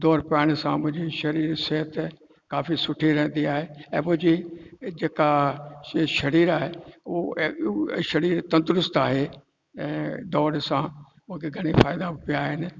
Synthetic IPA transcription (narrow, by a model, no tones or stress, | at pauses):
d̪ɔːɾpaːɽ̃sãmʊ̃ɦɪ̃ɲd͡ʑiʃɐɾiːɾseɦət̪ | kaːfisʊʈʰiɾɛ̃ɦə̃n̆d̪iaːɦeɛ̃ːmʊ̃ɦɪ̃ɲd͡ʑid͡ʒeːka | ʃɐɾiːɾaːɦeo | ʃɐɾiːɾt̪ɐ̃nt̪ɾʊst̪aːɦe | ɛ̃ːd̪ɔːɾsã | mʊ̃kʰeɡʱɐɽ̃efaːɪd̪abɪpijaɦɪnɪ̆